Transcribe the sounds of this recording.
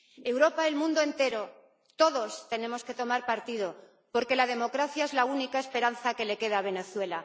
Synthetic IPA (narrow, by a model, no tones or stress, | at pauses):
ewɾo̞paelmũnd̪oe̞nt̪e̞ɾo̞ | t̪o̞ðo̞st̪e̞nẽ̞mo̞ske̞t̪o̞maɾpaɾt̪ið̞o̞ | po̞ɾke̞lað̞e̞mo̞kɾaθjaezlaunikaespe̞ɾan̟θake̞le̞ke̞ð̞aβ̞e̞ne̞θwe̞la